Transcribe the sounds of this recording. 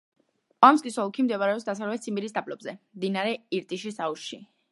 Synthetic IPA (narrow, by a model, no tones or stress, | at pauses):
amskʼisɔlˠkʰimd̪ɛvaɾɛɔpsd̪asavɾlɛt̪sʰimbiɾisd̪apʼlɔbzɛmd̪inaɾɛiɾt̪ʼiʃisauʃʃi